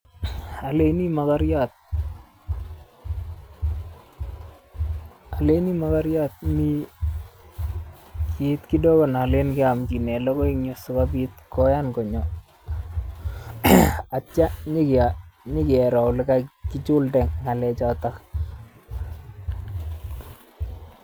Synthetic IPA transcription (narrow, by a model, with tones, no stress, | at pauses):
a˨leni˦makaɾjat̚ | aleni˦makaɾjat̪̚mi˦ | ki˨tki˦dɔ˦kɔ˨nale˦nkɪ˦amki˨nɛ˨lɔ˦kɔ˦iŋɲʊsʊ˦kabit̚kɔ˦jankɔ˨ɲɔ | a˨t͡ʃa˦ɲɪ˦kaɲɪ˦kɪɛ˨ɾɔ˨ʊlɪ˦kakɪ˦t͡ʃʊ˦ldɛ˨ŋŋa˨lɛt͡ʃatak